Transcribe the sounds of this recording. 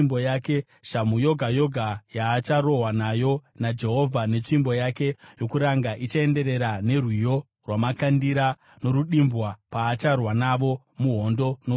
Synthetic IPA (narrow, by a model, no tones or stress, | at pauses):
mbojake̞ | ʃamujo̞ɡʱajo̞ɡʱajaːt͡ʃaɾo̞ɦwanajo̞nad͡ʒe̞ɦo̞vʱane̞t͡ʃimbo̞jake̞jo̞kuɾaŋɡaʔit͡ʃae̞nde̞ɾe̞ɾane̞rwijo̞ | rwamakandiɾa | no̞ɾuɗimbwapaːt͡ʃarwanaʋo̞ | muɦo̞ndo̞no